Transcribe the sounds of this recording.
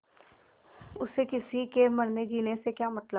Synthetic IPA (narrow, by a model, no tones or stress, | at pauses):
ʊsekɪsikemɐɽned͡ʒiːnesekjaːmɐt̪lə